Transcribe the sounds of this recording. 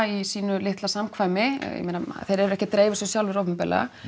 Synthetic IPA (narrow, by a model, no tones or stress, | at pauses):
isiːnʏlɪht̪lasamkʰvaːjmɪjɛ̰mejnaθejɾɛɾɛhcɪt̪ɾeːjvɪsʏsjawlvɪɾowvʏmpɛ̰l̰a̰